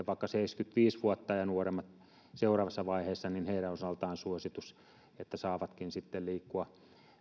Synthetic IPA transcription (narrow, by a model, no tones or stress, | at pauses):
ʋɑˑikːɑseiskyt̪ʋiːsʋuot̪ːɑjɑnuoremːɑt̪ | seurɑːʋɑsːɑʋɑiheːsːɑninheiɾænosɑlt̪ɑːnsuosit̪us | et̪ːæsɑːʋɑt̪kinsit̪ːelliːkːuɑ